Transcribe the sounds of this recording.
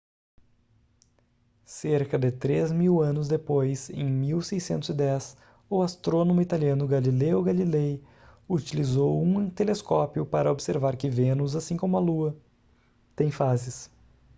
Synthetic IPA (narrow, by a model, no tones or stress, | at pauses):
seɾkɐd̪ɪt̪ɾezmiwɐ̃nʊzd̪epojsẽj̃miwsejsẽnt̪ʊzɪd̪ɛs | ʊast̪ɾonõmʊit̪aliɐ̃nʊɡalileʊɡalilej | ut͡ʃilizowũt̪eleskɔpijʊpaɾɐobseɾvaɾkɪvẽnʊzasĩkõmʊɐluɐ | t̪ẽj̃fazɪs